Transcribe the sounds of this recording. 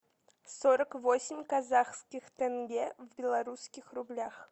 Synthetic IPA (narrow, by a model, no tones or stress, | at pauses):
soɾəkvosʲɪmʲkazaxskʲixt̪ɛnɡʲevbʲɪlˠaɾuskʲɪxrublʲax